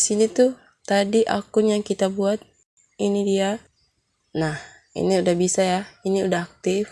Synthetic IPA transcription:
sinit̪u | t̪adiʔa̰kʊnjaŋkit̪abuat̪̚ | inidia | nah | ḭniudahbisajahiniudaɦak̚t̪ɪf

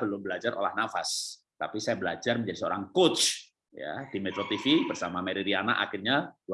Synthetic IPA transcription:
bərlʊmbəlad͡ʒarʔo̰lahnafas | t̪apisajabəlad͡ʒarməɲd͡ʒadisəo̰ɾaŋkot͡ʃ | ja̰dimɛt̪ɾot̪ifibərsamameɾiɾianaʔa̰xɪrɲa

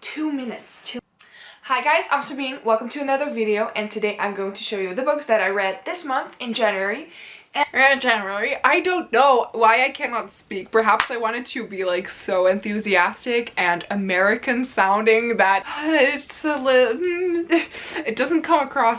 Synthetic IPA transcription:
tʰumɪ̃nɨtstʰ | haɪɡaɪz̥ã̰ɪ̃msə˞biɪ̃ŋwɛlˠkə̃m̩tʰɨɨnʌðə˞vɪɾioʊʔɨ̃ntʰɨdeɪʔã̰ɪ̃mɡoʊɪ̃ŋtʰɨʃoʊjʉðɨbʊksðɨɾaɪɹɛd̪̚ðɪsmʌ̃nθɨ̃nd͡ʒæ̃njʉɛɹiɨ̃d͡ʒɛnə˞l̩ˠiʔaɪdõʊ̃nːoʊwaɪaɪkʰænɑtspik̚pʰə˞ɦæpsaɪwɑ̃ɾ̃ɨd̚tʰɨbilaɪksoʊɨ̃nθʉziæstɪkʰɨ̃nɨmɛɹɨkʰɨ̃nsãʊ̃ndɪ̃ŋðət̚ɪtsəlɪɾ̩ | ɨt̚d̥ʌz̃n̩kʰʌ̃məkʰɹ̥ɔs

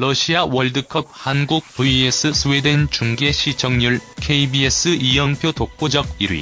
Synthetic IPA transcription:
lʌɕʰiawʌɭdɯkʰʌp̚hanɡuk̚puies͈ʰɯsʰuwedent͡ɕuŋɡe̞ɕʰit͡ɕʰʌŋɲuɭkʰeibies͈ʰɯʔijʌŋpʰjotok̚k͈od͡ʑʌɡ̚iɾɥḭ

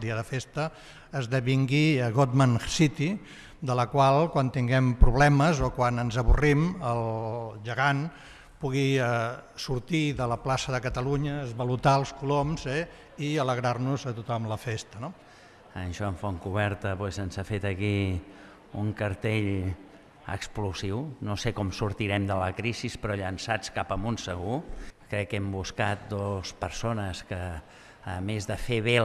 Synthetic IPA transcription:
d̪iəðəfest̪əː | zðəβiŋɡiəɣot̪mansit̪i | d̪ələkwalˠkwant̪iŋɡɛmpɾuβlɛməzokwanənzəβuriməlʒəɣan | puɣiəsuɾt̪iðələplasəðəkət̪əluɲəːzβəlut̪aəlˠskulomzɛ | iələɣ̞ɾarnuzət̪ut̪ɔmləfest̪əno | ənʃɔəɱfɔŋkuβɛɾt̪əpwɛzənzafet̪əki | uŋkəɾt̪eʎ | ə̰kspluziwnosekɔmsuɾt̪iɾɛmd̪ələkɾisispɾɔʎənsat͡skapəmunsəɣukɾɛkːɛmbuskat̪̚d̪ospəɾsonəskəː | mezðəfeβe

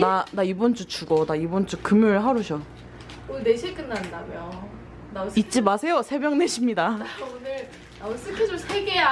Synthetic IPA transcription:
nanaibond͡ʑ͈ut͡ɕuɡʌnaibond͡ʑ͈ukɯmjuɭɦaɾuɕʰʌ | oneɕʰik͈ɯnːandaɡjo | nait̚t͡ɕ͈imasʰe̞josʰe̞bjʌŋne̞ɕʰimɲidaonɯɭ | naos͈ɯkʰed͡ʑosʰeɡeja

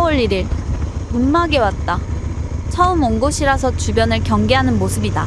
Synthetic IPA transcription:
wʌɭːiɾiɭunːaɡe̞wat̚t͈a | t͡ɕʰʌɯmʌŋɡoɕʰiɾasʰʌt͡ɕubjʌnɯɭkjʌŋɡe̞ɦanɯnmosʰɯbida

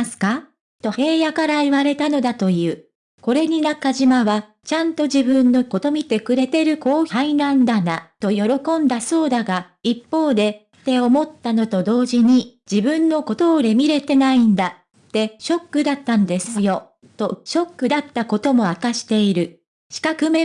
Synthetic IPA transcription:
sɨ̥ka | t̪o̞he̞ːjakaɾaiβaɾe̞t̪ano̞d̪at̪o̞jɯ̟ː | ko̞ɾe̞ɲ̟inakːaʑimaβa | t͡ɕãnt̪o̞d͡ʑibɯ̟̃nːo̞ko̞t̪o̞mʲit̪e̞kɯ̟ɾe̞t̪e̞ɾɯ̟ko̞ːçainãnd̪anat̪o̞jo̞ɾo̞kõ̞nd̪aso̞ːd̪aɡa | ipːo̞ːd̪e̞ | t̪e̞o̞mo̞t̪ːano̞t̪o̞d̪o̞ːʑiɲ̟id͡ʑibɯ̟̃nːo̞ko̞t̪o̞ːɾe̞mʲiɾe̞t̪e̞naĩnd̪a | t̪ːe̞ɕo̞kːɯ̟d̪at̪ːand̪e̞sɨjo̞ | t̪o̞ɕo̞kːɯ̟d̪at̪ːako̞t̪o̞mo̞akaɕi̥t̪e̞iɾɯ̟ | ɕi̥kakɯ̟me

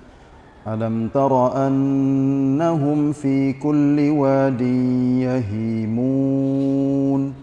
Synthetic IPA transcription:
ʔalamt̪ɑɾˤɑʔanː | aɦʊmfiːkʊlːɪwaːd̪ɪnjaɦiːmuː | n

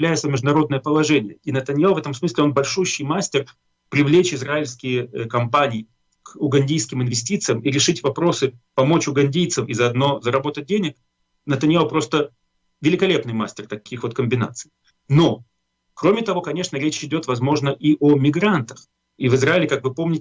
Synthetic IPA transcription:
lʲæjɪt̪səmʲɪʐd̪ʊnɐɾo̞d̪̚nəjəpəlˠɐʐɛnʲɪjəinət̪ənʲjavɛt̪əmsmɨsʲlʲɪo̞nbɐlʲʂuɕːɪjmasʲtʲɪr | pɾʲɪvlʲet͡ɕɪzɾaɪlʲskʲɪjəkɐmpanʲɪː | kʊɡɐnʲdʲijskʲɪmɪnvʲɪsʲtʲit̪sɨjəmiɾʲɪʂɨtʲvɐpɾo̞sɨpɐmo̞t͡ɕʊɡɐnʲdʲijt̪səfizɐɐd̪no̞zəɾɐbo̞t̪ət̚ʲdʲenʲɪk | nət̪ənʲjapɾo̞st̪ə | vʲɪlʲɪkɐlʲe̞pnɨjma̰sʲtʲɪrt̪ɐkʲixvo̞t̪kəmʲbʲɪna̰t̪sɨ̥j | no̞ | kɾo̞mʲɪt̪ɐvo̞kɐnʲe̞ʂnəɾʲet͡ɕɪdʲo̞t̪vɐzmo̞ʐnəʔiʔomʲɪɡɾant̪əx | ivɨzɾaɪlʲɪkakvɨpo̞mnʲɪtʲɪ

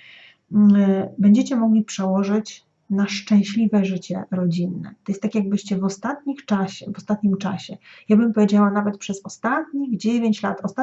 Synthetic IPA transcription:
bɛɲd͡ʑɛt͡ɕɛmɔɡlʲipʂɛwɔʐɘt͡ɕ | naʂt͡ʂɛ̃w̃ɕlʲivɛʐɘt͡ɕɛɾɔd͡ʑinːɛ̰t̪ɔjɛst̪ːakʲjaɡ̚bɘɕt͡ɕɛvɔst̪at̪̚ɲixt͡ʂaɕɛvɔst̪at̪̚ɲimt͡ʂaɕɛjabɘmpɔvʲjed͡ʑawanavɛt̪̚pʂɛzɔst̪at̪̚ɲiɣd͡ʑevʲjeɲt͡ɕla̰t̪ɔst̪a

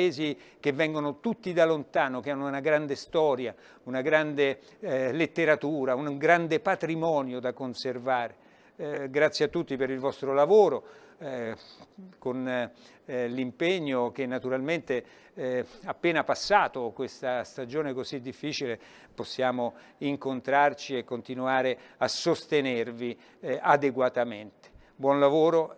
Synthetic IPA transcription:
eːzikevːɛŋɡonot̪ut̪ːid̪alont̪aːnokeanːounaɡɾand̪est̪ɔːɾja | unaɡɾand̪e | let̪ːeɾat̪uːɾaunŋɡɾand̪epat̪ɾimɔːnjod̪akonservaːɾe | ɡɾat̪sjeat̪ːut̪ːipeɾilvɔst̪ɾolavoːɾo | kon | limpeɲːok̟enːat̪uɾalment̪e | apːeːnapasːaːt̪okwest̪ast̪ad͡ʒoːnekozid̪ːifːiːt͡ʃile | posːjaːmo | iŋkont̪ɾart͡ʃiekːont̪inuaːɾeasost̪enervi | ad̪eɡwat̪ament̪e̥ | bwɔnlavoːɾo

